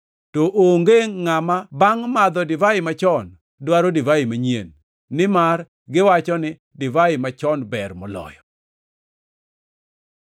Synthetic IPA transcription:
toʔoŋɡeŋːamabaŋmad̪ɔdɪvaɪmat͡ʃɔn | dwaɾɔdivaimaɲiḛnː | ɪmar | ɡɪwat͡ʃɔnɪ | dɪvaɪmat͡ʃɔnbɛrmɔlɔ̰jɔ

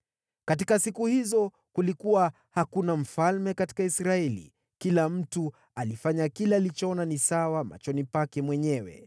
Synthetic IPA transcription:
kat̬ikasikuhizɔ | kulikuwa | hakunam̩falmɛkati̥kaisɾaɛlḭ | kilam̩tu | alifaɲakilɛalit͡ʃɔɔnanisawama̰t͡ʃɔnipakɛmwɛɲɛwɛ̰

